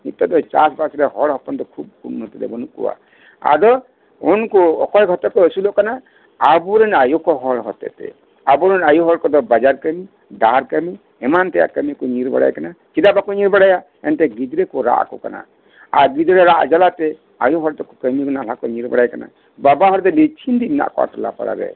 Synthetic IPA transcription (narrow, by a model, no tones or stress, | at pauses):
nit̪ɔt̪̚ɔt͡ʃasbasɾɛhɔɽɦɔpɔnd̪ɔkʰub̚kunɔt̪ɛd̪ɛ̰bɔnukṵwa̰ | a̰dɔ | ɔnkɔɔ̰kɔjɡʱɔt̪ɔkɔəsulɔʔkanaː | buɾɛnajɔkɔɦɔɽɦɔt̪ɛ̰t̪ɛ̰ | abuɾɛnajuɦɔɽkɔd̪ɔbad͡ʒaɾkəmi | daɾkəmi | ɛmant̪ɛja̰ʔkəmikɔɲiɾba̰ɽa̰jkanat͡ʃidabakɔɲiɾbaɽaja | ɛnt̪ɛɡid̪ɾɛkɔɾa̰ʔkɔkana̰ | aɾɡid̪ɾɛɾaʔd͡ʒalat̪ɛ | ajɔɦɔɾt̪ɔkɔkəmiɡɔnalakɔɲiɾba̰ɽajkana̰ | babaɦɔɾd̪ɔlit͡ʃʰind̪imna̰ʔkɔa̰ʈɔla̰pa̰ɽa̰ɾɛ̰